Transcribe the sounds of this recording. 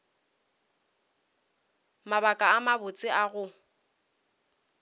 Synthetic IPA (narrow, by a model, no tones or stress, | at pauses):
mabakʼaːmabʊt͡sʼɪʔaɣʊ